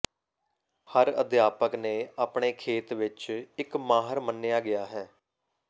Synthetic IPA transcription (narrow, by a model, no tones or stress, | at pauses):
həɾə̰d̪jaːpəknẽːaːpɳeːkʰeːt̪ʋɪt͡ʃɪkmaːɦəɾmənːejaːɡɪjaːɦɛː